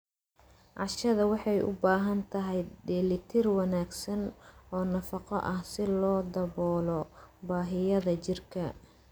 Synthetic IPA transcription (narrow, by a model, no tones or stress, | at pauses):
ʕɑʃɐðɐwɑħɑjʔʊ̰baːɦɐnt̪ʰɐɦɛjɖɛːlɪt̪ʰɪrwɑnaːɡsɐnɔːnɐfɑqɔ̰ʔɐhsɪlɔːd̪ɐβɔːlɔbaːɦɪjɐðɐt͡ʃɪrkʰɐ